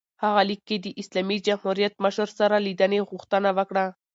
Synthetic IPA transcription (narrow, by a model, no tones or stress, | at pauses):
haɣalikːed̪əʔislamid͡ʒamhuɾijat̪̚maʃuɾsaɾalid̪aneɣʊxt̪ənawəkɽa